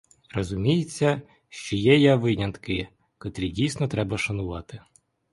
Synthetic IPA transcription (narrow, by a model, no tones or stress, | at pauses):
rɔzʊmʲijet͡sʲːɐ | ʃt͡ʃɔjɛjɛʋɪnʲɐnt̪kɪ | kɔt̪ɾʲidʲijsnɔt̪ɾɛbɐʃɐnʊʋɑt̪ɪ